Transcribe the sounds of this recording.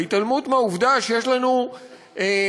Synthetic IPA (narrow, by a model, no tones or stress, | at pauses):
it̪almutmeauvd̪aʃejeʃlanu | e